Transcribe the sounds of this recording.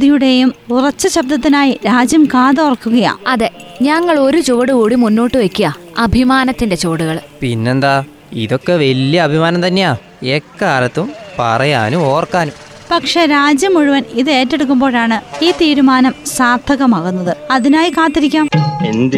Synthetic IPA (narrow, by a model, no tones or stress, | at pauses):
ðijuɽe̞jumurɐt͡ɕːɐɕɐb̚d̪ɐt̪ːinaːjiɾaːd͡ʑjɐmkaːðɐurɐkːuɣɐja̰ːɐðe̞ɲɐŋːɐɭo̞ɾut͡ɕo̞ːɽɨkoːɽimunːoːʈːɨʋɐkʲːujɐɐbʱimaːnɐt̪ːinde̞t͡ɕo̞ːɽuɣɐɭpinːe̞nd̪aː | ḭðo̞kːe̞ʋɐljɐːbʱimaːnɐmt̪ɐnːejaː | ekːaːlɐt̪ːumpɐ̰rɐja̰ːnumo̞ːrkːaːnum | pɐkʂe̞ɾaːd͡ʑjɐmːuɻuʋɐniðɨe̞ːtːe̞ɽuk̬ːumbo̞ːɻaːɳɨiːt̪iːɾumaːnɐmsaːd̪ʱɐɣɐmaːɣunːɐðɨɐðinaːjikaːt̪ːiɾikʲːaːmind̪